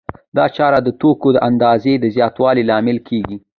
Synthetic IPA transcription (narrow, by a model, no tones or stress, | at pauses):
d̪ɑt͡ʃɑɾad̪ət̪okod̪əʔand̪ɑzed̪əzjɑt̪wɑlilɑmɪlkʰeɡi